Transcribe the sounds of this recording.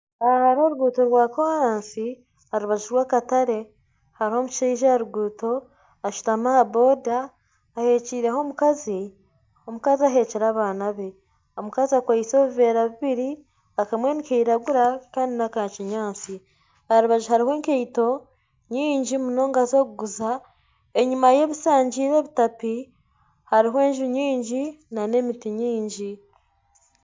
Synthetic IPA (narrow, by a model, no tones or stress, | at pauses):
ahaɾoɾuɡuːto̞ɾwaːkoːɾaːnsi | haɾuβaʒiɾwaːkataɾe̞ | haɾiho̞mucʃeiʒaɾuɡuːto̞ | aʃu̥tamabo̞ːdaː | he̞ːciːɾe̞ɦo̞ːmukazi | omukaziaɦe̞ceɾaːβaːnaβe̞ | o̞mukaziakwait͡so̞ːβuβe̞ːɾaβiβiɾi | akamwe̞nikeiɾaɡuɾakaːndinakaciɲaːnt͡si | aɾuβaʒehaɾihwe̞ːŋkeito̞ | ɲiːɲɟimuno̞ːŋɡazoɡuɡuza | e̞ɲimaje̞βisaːɲɟiɾe̞βitapi | haɾiɦwe̞ːɲʒuɲiːɲɟinane̞mitiɲiːɲɟi